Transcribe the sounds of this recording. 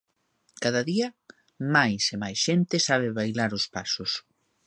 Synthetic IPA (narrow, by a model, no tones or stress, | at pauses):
kaðaðiɐ | majsemajsʃent̪ɪsaβ̞ɪβajlaɾʊspasʊs